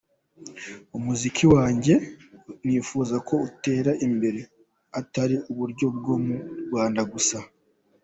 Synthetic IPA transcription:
umuzikʰiwaːɲɟe̞niːfuːzako̞ute̞ːɾaʔimbe̞ɾe̞ | ataɾiʔuβuɾɟo̞b̚ɡo̞muɾɡwaːndaɡusa

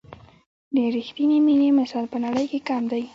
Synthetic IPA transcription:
d̪əɾixt̪iniminemasɑlpənaɽəjkekamd̪aj

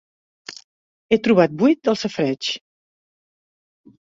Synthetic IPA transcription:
et̪ɾuβat̪̚bujt̪̚d̪əlˠsəfɾɛt͡ʃ

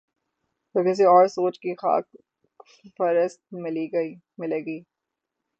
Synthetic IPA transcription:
t̪oːkɪs̬eɔːɾsoːt͡ʃkixa̰ːk | fɐɾəst̪̚mɪliɡi | mɪleːɡiː

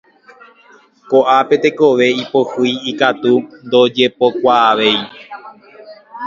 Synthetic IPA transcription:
koʔape̞t̪e̞ko̞ʋe̞ipo̞hɨjikat̪und̪o̞d͡ʒe̞po̞kʷaːʋe̞j

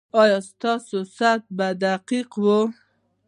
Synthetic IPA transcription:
ɑjɑst̪ɑsosat̪̚bad̪aqiqwo

